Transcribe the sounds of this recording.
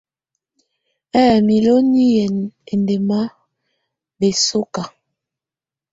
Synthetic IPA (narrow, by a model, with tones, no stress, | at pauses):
ɛ˦˨mi˨lo˦ni˦jɛ˨ne˨nde˨ma˦ | be˨so˦ka˨